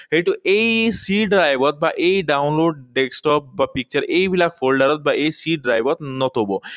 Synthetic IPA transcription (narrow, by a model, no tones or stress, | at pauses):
ɦeʈ̪uʔejsiɖɾajbɔt̪̚baʔejɖaunloɖɖeksʈɔp̚bapik̚t͡ʃəɾejbilakfolɖaɾɔt̪̚baʔejsiɖɖɾajbɔt̪nɔt̪ʰɔbɔ